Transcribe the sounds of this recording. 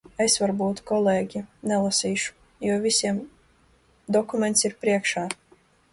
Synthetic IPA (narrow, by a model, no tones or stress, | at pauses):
esvaɾbuːt̪kɔleːɡʲinɛlˠasiːʃu̥ | juɔvʲisʲiɛm | d̪ɔkumʲɛnt̪siɾpɾiɛkʃaː